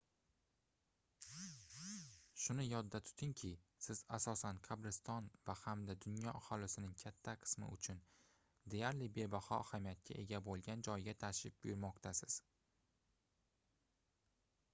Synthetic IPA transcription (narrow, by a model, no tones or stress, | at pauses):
ʃʊnɪjɒd̪ːat̪ʰʊ̥t̪ʰɪŋkʲʰɪsɪz̥asɒsanqʰɑbɾɪst̪ɒnvahamd̪ad̪ʊnjɒʔahɒlɪsɪnɪŋkʲʰat̪ʰːaqʰɨ̥smɪ̰ʊt͡ʃʰʊn | d̪e̞jaɾlɪbe̞bahɒahamijat̪̚kʲʰa̰ʔe̞ɡʲabolˠɡʲand͡ʒɒjɡʲat̪ʰaʃɪp̚bʊjʊɾmɒqt̪ʰasɪz̥